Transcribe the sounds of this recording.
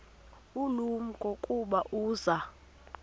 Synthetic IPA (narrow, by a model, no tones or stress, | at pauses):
ulumuɡ̥ʱokʼuɓaʔuːza